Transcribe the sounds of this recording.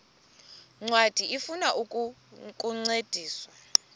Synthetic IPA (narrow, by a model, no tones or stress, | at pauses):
ŋ͡ǀwad̥ʱiʔifunaʔukʼkʼuŋ͡ǀed̥ʱiːswa